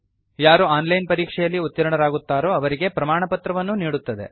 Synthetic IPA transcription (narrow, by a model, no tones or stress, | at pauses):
jaːɾuaːnlɐjnpɐɾiːkʂɛjɐlːiut̪ːɐɾɐɳɐɾaːɡut̪ːaːɾoɐʋɐɾiɡe̞pɾɐmaːɳɐpɐt̪ɾɐʋɐnːuniːɽut̪ːɐd̪ḛ